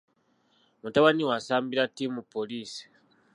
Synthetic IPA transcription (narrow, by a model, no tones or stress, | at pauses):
mutaβaniwasaːmbiɾatːimupːo̞liːsi̥